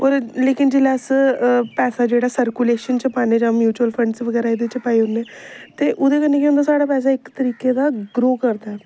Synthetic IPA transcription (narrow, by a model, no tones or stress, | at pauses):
ɔːɾleːkɪnd͡ʒelɛːspɛːsaːd͡ʒeːɽaːsəɾkuːleːʃənt͡ʃəpaːneːd͡ʒãːmjuːt͡ʃuəlpʰə̃ɳɖsʋəɡɛːɾaːɪd̪et͡ʃəpaːiːʊnːeːt̪eːʔʊd̪eːkənːẽːkeʊ̃nd̪aːsaːɽaːpɛːsaːɪkt̪əɾiːkeːd̪aːɡɾoːkəɾd̪aɛː